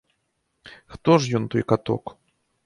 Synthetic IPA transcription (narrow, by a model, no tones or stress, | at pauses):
xt̪ɔʐjɔnt̪ɔjkat̪ɔ̰k